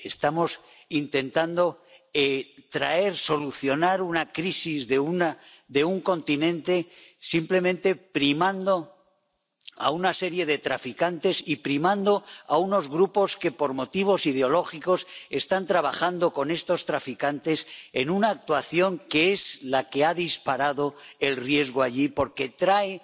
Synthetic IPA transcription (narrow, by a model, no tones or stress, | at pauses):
e̞st̪amo̞s | int̪e̞nt̪and̪o̞et̪ɾae̞ɾso̞luθjo̞naɾunakɾisizðeunad̪e̞uŋko̞nt̪inẽ̞nt̪e̞simple̞mẽnt̪e̞pɾimãnd̪o̞ | a̰unase̞ɾje̞ð̞e̞t̪ɾafikant̪e̞sipɾimãnd̪o̞auno̞zɣɾupo̞ske̞po̞ɾmo̞t̪iβ̞o̞siðeo̞lo̞xiko̞se̞st̪ant̪ɾaβ̞axand̪o̞ko̞ne̞st̪o̞st̪ɾafikant̪e̞se̞nunaːk̚t̪waθjo̞ŋke̞ezlake̞aðispaɾaðo̞e̞lrje̞zɣ̞oaʎipo̞ɾke̞t̪ɾae